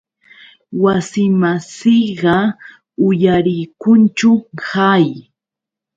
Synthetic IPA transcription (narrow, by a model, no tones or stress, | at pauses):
wasɪmasɪɢɑ | ʊjaɾɪjkʊnt͡ʃʊhaj